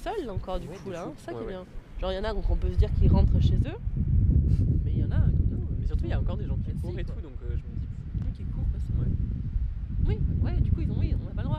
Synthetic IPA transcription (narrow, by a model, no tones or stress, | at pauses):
sœlɑ̃kɔʁd̪ykkulaɛ̃sesakɛbjɛ̃ʒ̥ɑ̃ʁjɑ̃nad̪ɔ̃kɔ̃pøsəd̪iʁkilʁɑ̃t̪χəʃezø | mɛjɑ̃naknɔ̃mɛsyʁt̪uiljaɑ̃kɔʁd̪eʒɑ̃kiɛsɔ̃et̪ud̪ɔ̃køʒəməd̪i | ɔ̃kʲiɛkuʁfasɔ̃wɛ | wiwɛd̪ykuilzɔ̃wiɔ̃napaləd̪ʁwa